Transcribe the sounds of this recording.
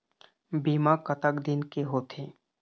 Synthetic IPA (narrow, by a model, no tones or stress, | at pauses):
biːmakət̪əkd̪ɪnkeɦoːt̪ʰẽː